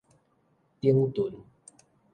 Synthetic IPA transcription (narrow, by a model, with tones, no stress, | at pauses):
t̪i˦ə˦ŋt̪u˨˦n